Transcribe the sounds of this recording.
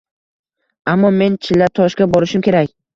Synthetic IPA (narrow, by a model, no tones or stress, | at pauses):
amːɒme̞nt͡ʃʰɪlːaɾt̪ʰɒʃkʲabɒɾɪʃɪmkʲʰe̞ɾakʲ